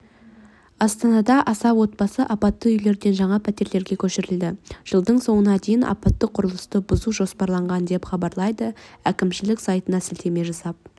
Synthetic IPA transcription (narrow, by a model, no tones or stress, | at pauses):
ɑst̪ɑnɑd̪ɑʔɑsɑpwo̞t̪̚bɑsəʔɑpɑt̪ːəʏjle̞ɾd̪e̞nʒɑɴɑpʰæt̪e̞ɾle̞ɾɡʲe̞kʲʰɵʃɪɾɪld̪ɪʒ̥əlˠd̪əɴso̞ɴənɑd̪ejɪnʔɑ̰pɑt̪ːəqʰʊɾəlˠəst̪əbʊzuʒo̞spɑɾlˠɑɴʁɑnd̪e̞pχɑbɑɾlˠɑjd̪əækʲɪmʃɪlɪksɑjt̪ənɑsɪlt̪ʰe̞me̞ʒɑsɑp̚